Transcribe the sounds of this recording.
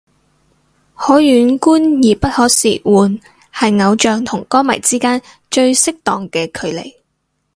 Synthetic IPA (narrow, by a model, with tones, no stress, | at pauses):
hɔː˨˥jyː˨˥nkuː˥njiː˨˩pɐ˥t̚hɔː˨˥sḭː˨˩wuː˨n | hɐ˨jŋɐ˨˧wt͡ʃœː˨ŋt̪ʰʊ˨˩ŋkɔː˥mɐ̰˨˩jt͡siː˥kaː˥n | t͡ʃɵ˧ɥsɪ˥k̚t̪ɔː˨ŋkɛː˧kʰɵ˨˧ɥlḛ˨˩j